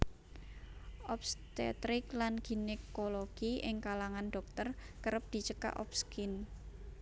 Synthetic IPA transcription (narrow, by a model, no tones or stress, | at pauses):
ʔɔp̚st̪ḛt̪ɾɪklanɡ̥inekoloɡ̥iɪŋkalaŋanɖɔ̤k̚t̪ər | kəɾəp̚d̪̥i̤t͡ʃəka̰ʔɔ̰p̚skin